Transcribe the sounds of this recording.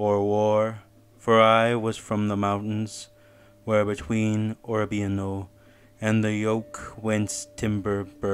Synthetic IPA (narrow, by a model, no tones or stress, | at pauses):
ə˞wɔɹ | fə˞aɪwʌz̥fɹʌ̃mðəmãʊ̃nʔn̩z̥ | wə˞bɨtʰw̥ĩnʔɔɹɨbiɨ̃noʊ | ɨ̃nðɨjoʊkwɛ̃ntstʰɪ̃mbə˞b̥ə